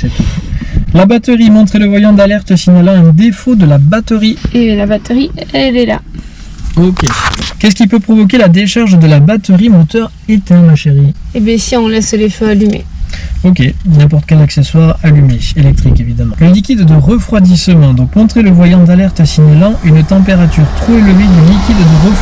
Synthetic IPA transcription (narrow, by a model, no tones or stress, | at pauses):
sɛt̪ulabat̪əʁimɔ̃t̪χeləvwajɑ̃d̪alɛʁt̪əsiɲalɑ̃ɛ̃d̪efod̪əlabat̪əʁielabat̪əʁiɛlɛla̰ | okʲekʲɛskʲipøpχɔvɔk̬ʲelad̪eʃaʁʒd̪əlabat̪əʁimot̪œʁ | et̪ɛʁmaʃeʁiebɛ̃siɔ̃lɛsleføalymḛok̬ʲenɛ̃p̬ɔʁt̪ə̥kʲɛlakseswaʁalymeelɛk̚t̪χikevid̪amɑ̃ləlikʲid̪ːəʁəfχwad̪isəmɑ̃d̪ɔ̃kɔ̃t̪χeləvwajɑ̃d̪alɛʁt̪əsiɲalɑ̃ʔynt̪ɑ̃peʁat̪yʁt̪χoeləved̪ylikʲid̪ːəʁə